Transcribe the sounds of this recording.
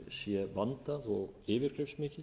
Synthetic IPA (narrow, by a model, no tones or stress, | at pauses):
sjɛvant̪aðɔɣɪːvɪɾ̥kɾejfsmɪːcɪ